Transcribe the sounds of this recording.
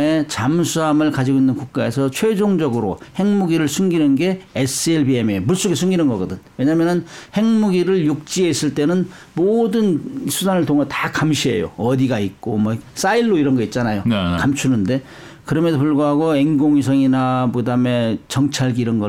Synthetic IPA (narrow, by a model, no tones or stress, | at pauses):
e̞t͡ɕamsʰuamɯɭkad͡ʑiɡoinːɯnkuk̚k͈ae̞sʰʌt͡ɕʰwe̞d͡ʑoŋd͡ʑʌɡɯɾo̰he̞ŋmuɡiɾɯɭsʰuŋɡinɯnɡe̞es͈ʰɯeɭbiememuɭs͈oɡesʰuŋɡinɯnɡʌɡʌdɯnwe̞ɲamjʌnɯnhe̞ŋmuɡiɾɯɭjuk̚t͡ɕ͈ieis͈ɯɭt͈e̞nɯn | modɯnsʰusʰanɯɭtʰoŋɦetakamɕʰiɦe̞̰jo̰ʌdiɡaik͈omwʌs͈aiɭːoiɾʌnɡʌit̚t͡ɕ͈anajokamt͡ɕʰunɯnde̞ | kɯɾʌmedopuɭɡoɦaɡoeŋɡoŋis̬ʰʌŋinapodame̞t͡ɕʌŋt͡ɕʰaɭɡiɾʌnɡʌ